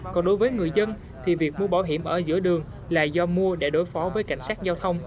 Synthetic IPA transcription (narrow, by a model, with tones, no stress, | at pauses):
kɔ˨˩nɗo˨˦jvəː˨˦jŋɨ˨˩əjzə˧n | t̪ʰi˨˩vi˨˩ək̚mu˧əɓaː˧˩wɦi˧˩əmʔəː˧˩zɨ̰˧˥əɗɨ˨˩əŋ | laː˨˩zɔ˧mu˧əɗe˧˩ɗo˨˦jfɔ˨˦vəː˨˦jka̰˧˩jŋ̟saː˦˥t̚zaː˧wt̪ʰə˧wŋ͡m